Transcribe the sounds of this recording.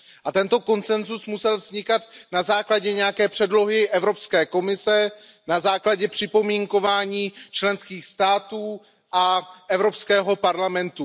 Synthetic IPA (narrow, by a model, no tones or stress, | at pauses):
ʔat̪ɛnt̪o̞ko̞nt͡sɛnzusmusɛlvzɲɪkat̪nazaːklaɟɛɲɛjakɛːpr̝̥ɛdlo̞ɦɪʔɛvɾo̞pskɛːko̞mɪsɛ | nazaːklaɟɛpr̝̥ɪpo̞miːŋko̞vaːɲiːt͡ʃlɛnskiːxst̪aːt̪uː | ʔaʔɛvɾo̞pskɛːɦo̞paɾlamɛnt̪u